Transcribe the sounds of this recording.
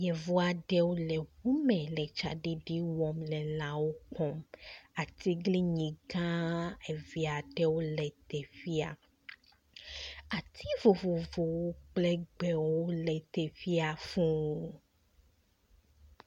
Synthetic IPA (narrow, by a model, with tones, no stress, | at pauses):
jɛ˨vo˦a˨ɖɛ˦wo˦lɛ˨wu˦mɛ̃˨lɛ˨t͡ʃa̰˨ɖi˦ɖi˦wɔ˨mlɛ˨lã˨wo˦kɔ˦ma˨t̪i˦ɡli˦ɲĩ˨ɡã˦e˨vi˨a˨ɖɛ˦wo˦lɛ˨t̪ɛ˨fi˦a̰˨ | a˨t̪ʰi˦vo˨vo˨vo˨wo˦k͡plɛ˦ɡ͡bɛ˨wo˦lɛ˨t̪ɛ˨fi˦a˨fũ˦oo˦